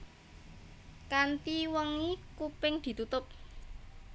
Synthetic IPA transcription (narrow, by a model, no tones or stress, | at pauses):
kant̪iwəŋikupɪŋd̪̥i̤t̪ut̪ʊp̚